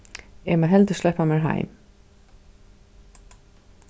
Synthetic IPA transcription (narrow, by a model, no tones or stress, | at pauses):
ɛmaɦɛlt̪ə̥slɛhpamɛɹɦa̰jm